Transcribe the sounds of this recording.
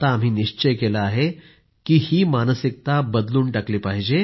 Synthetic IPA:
t̪aːm̤ɦiːniɕt͡ɕəjkelaːɦe | kiːhiːmanəsik̚t̪abəd̪luːɳʈakliːpaɦid͡ʑe

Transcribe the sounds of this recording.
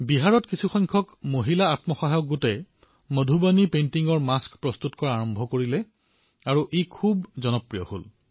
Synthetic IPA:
biɦaɹɔtkisʰuxɔjŋkʰɔkmoɦilaatmɔxaɦajɔk̚ɡotɛ | modʱubanipentiŋɔɹmaskpɹɔstutkɔɹaaɹɔmbʱɔkoɹilɛ | aɹuʔekʰubzɔnɔpɹijɔ̰ho̰l

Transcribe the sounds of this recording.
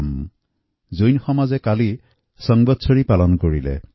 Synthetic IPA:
m | zojnxɔmazɛkali | sɔŋbɔtsʰoɹipalɔnkoɹilɛ̰

